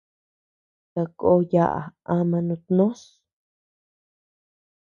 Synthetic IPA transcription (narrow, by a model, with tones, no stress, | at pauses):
ta˧ko˦ja˦˧ʔa̰˨a˧mã˧nũ˧t̪nõ˦s